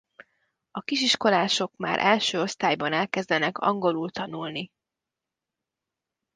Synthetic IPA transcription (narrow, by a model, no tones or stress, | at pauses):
ɒkiʃiʃko̞laːʃo̞kma̰ːɾʔɛlʃøːo̞st̪aːjbɒnɛlkɛzd̪ɛnɛkɒ̰ŋɡo̞lult̪ɒnulni